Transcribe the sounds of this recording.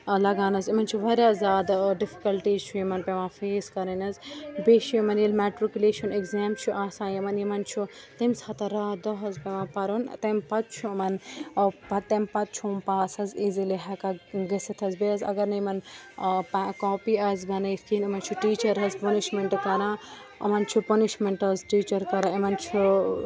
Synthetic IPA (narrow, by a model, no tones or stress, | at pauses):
lɐɡaːnɐzimɐnt͡ʃʰuʋɐɾazaːd̪ɖɪfi̥kɐlʈiːzt͡ʃʰuimɐnpeʋãːfeːskɐɾɐnɐzbeːʃiimɐnjilmɛːʈɾɪkʲuleːʃɐnekzɛːmt͡ʃʰuʔaːsãːjimɐnjimɐnt͡ʃʰu | t̪ɐmsɐt̪ɐɾaːd̪ɐɦɐzpeʋãːpɐɾunt̪ɐmpɐt̪̚t͡ʃʰumɐnpɐt̪ɐmpɐt̪̚t͡ʃʰuːmpaːsɐziziliɦɐkaɡɐsɐt̪ʰɐzbezɐ̰ɡɐɾnɐjmɐnpkoːpiazbɐnɐjfkiːnimɐnt͡ʃʰuʈiːt͡ʃɐɾɦɐzpɐniʃmeɳʈkɐɾãː | ɐ̰mɐnt͡ʃʰupɐniʃmeɳʈɐzʈiːt͡ʃɐɾkɐɾãːɐmɐnt͡ʃʰu